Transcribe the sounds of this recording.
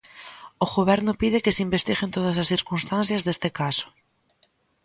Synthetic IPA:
oɣoβɛɾnʊpiðekeseimbest̪iɣent̪oð̞ɐsasθiɾkunst̪anθjazðest̪ekaso̥

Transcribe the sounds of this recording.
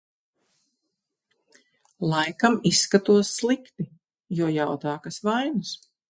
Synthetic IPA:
lˠajkamisːkat̪uɔsːlˠikt̪i | juɔjawt̪aːkasvajnus

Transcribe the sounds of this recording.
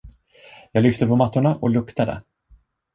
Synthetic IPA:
jɑːɡlʏft̪əpʰɔmat̪ːʊɳaʔɔlɵkt̪ad̪ə̰

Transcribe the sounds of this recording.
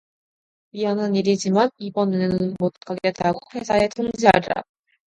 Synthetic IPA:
ɥiɦanɦaniɾid͡ʑimanibʌnɯnmot̚k͈aɡetaɡoɸe̞sʰae̞tʰoŋd͡ʑiɦaɾa̰

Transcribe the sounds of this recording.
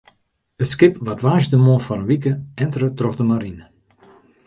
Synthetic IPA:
ətskɪpʋatʋaːʒdəmofɔnəʋik̬əɛntrətrɔxdəmaɾinə

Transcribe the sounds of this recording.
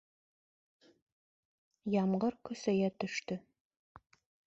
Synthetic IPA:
jɑmɢɤɾkɵ̆sæjæt̪ɵ̆ʃt̪ɵ

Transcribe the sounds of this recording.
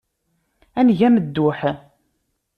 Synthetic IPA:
ænʝæməd̪ːʊħ

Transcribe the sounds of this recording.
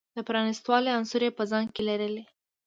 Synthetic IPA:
d̪̥əpɾɑnist̪wɑleansuɾepəzɑŋɡkelaɾəle

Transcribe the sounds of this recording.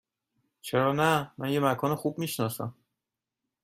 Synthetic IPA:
t͡ʃʰeɾɒːnæmænje̞mækʰɒːnexuːb̚miːʃnɒːsæ̰m

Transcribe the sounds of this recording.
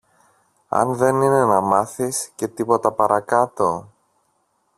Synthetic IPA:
ɐ̰nðe̞nine̞nɐmɐθisce̞t̪ipo̞t̪ɐpɐɾʔɐkɐt̪o̞

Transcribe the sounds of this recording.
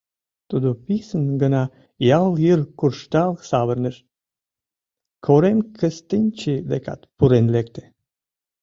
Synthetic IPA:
t̪ud̪opisənɡənɑ | jɑljərkurʃt̪ɑlksɑβərnəʃ | kʰoɾemkʰəst̪ənʲt͡ɕid̪ekɑ̰t̪puɾenlekt̪e̥

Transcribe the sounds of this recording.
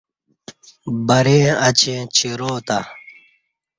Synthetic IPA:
bɐɾẽːɐt͡ɕẽːt͡ɕʰiɾoːt̪a

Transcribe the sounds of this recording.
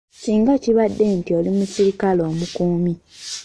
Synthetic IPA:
siːŋɡaciβadːe̞ntio̞limusiɾikalo̞ːmukuːmi

